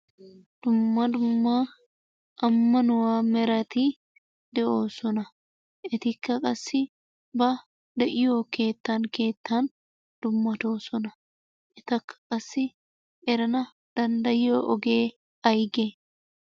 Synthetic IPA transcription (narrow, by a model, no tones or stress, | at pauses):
d̪̥ʊmːɐd̪ʊmːaː | ʔɐmːɐnʊwaːmɛɾɐt̪i | d̪̥ɛʔoːsɔnɐ | ʔɪt̪ɪkːɐkʼɐsːɪ | bɐ | d̪ɛʔɪjo̞ːke̞ːt̪ːaːŋke̞ːt̪ːaːn | d̪̥ʊmːɐt̪o̞ːsɔnɐ | ʔɪt̪ɐkːɐ̥kʼɐsːɪ | ʔɛɾɐnɐ | d̪̥ɐnd̪ɐjoːʔɔɡeː | ɐjɡɛ